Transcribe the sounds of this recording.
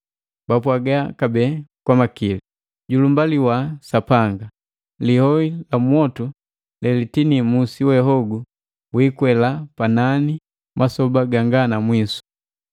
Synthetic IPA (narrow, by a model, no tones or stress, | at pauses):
bapwaɡakabɛkwamakili | ɟulumbaliwasapaŋɡa | lihɔilamwɔtu | lɛlitinimusiwɛɦɔɡu | wiːkwɛlapanani | mʔasɔbaɡaŋɡanamwisu̥